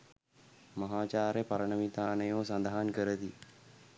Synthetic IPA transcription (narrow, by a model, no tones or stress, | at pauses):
mɐɦaːt͡ʃaːɾjepɐɾəɳəmit̪aːnəjoːsɐnd̪aɦankəɾət̪i